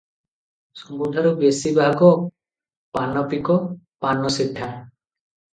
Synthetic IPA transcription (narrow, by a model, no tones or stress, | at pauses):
sɔmbud̪ʱaɾubesibʱaɡɔ | panːɔpikɔpanːɔsiʈʰːa